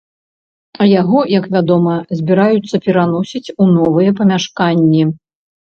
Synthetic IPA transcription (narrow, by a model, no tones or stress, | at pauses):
ɐjaɣɔjɐkvʲad̪ɔmɐzʲbʲiɾajut̪sːɐpʲɛɾanɔsʲit͡sʲunɔvɨjɛp̬ɐmʲaʂkanʲːi